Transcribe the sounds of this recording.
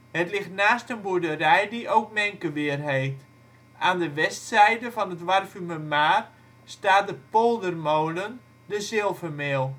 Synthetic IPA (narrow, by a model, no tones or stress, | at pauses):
hətlɪxtnaːstənbudərɛjdiʔowk̚mɛŋkəʋɪərɦeːft | aːndəʋɛstsɛjdəvɔnətʋarfyməmaːr | staːt̚dəpolˠdərmowlən | dəzɪlˠvəmeːlˠ